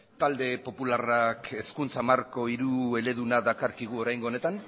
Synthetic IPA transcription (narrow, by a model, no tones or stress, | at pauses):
t̪ald̪e̞po̞pularake̞skunt͡samarko̞iɾue̞le̞ðunaðakaɾkiɣ̞uo̞ɾajŋɡone̞t̪an